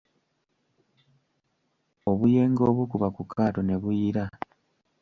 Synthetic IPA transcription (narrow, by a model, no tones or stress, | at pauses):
o̞βuje̞ːŋɡo̞ːβukuβakukʰaːto̞ne̞βujiɾa